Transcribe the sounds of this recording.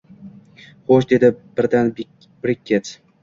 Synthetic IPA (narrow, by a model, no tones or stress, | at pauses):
χoʃd̪e̞d̪ɪb̥ɪɾd̪an | b̥ɾɪkʲʰːet̪